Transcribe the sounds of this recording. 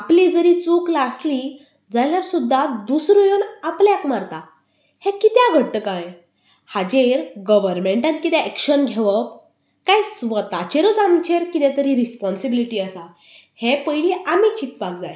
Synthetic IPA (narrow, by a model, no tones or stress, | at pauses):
aplid͡zəɾit͡suklasli | d͡zaljaɾsud̪ʱːad̪usɾojonapljakmaɾt̪a | hẽkit̪jãɡʱəɽt̪əkãj | had͡ʑeɾɡəʋəɾmẽɳʈãnkit̪ɛɛkɕənɡʱeʋəp | kajsʋət̪at͡ɕeɾət͡samt͡ɕeɾkit̪ɛ̃t̪əɾiɾispɔnsibiliʈiːəsa | hẽpəjliʔamit͡ɕip̚pak̚d͡zaj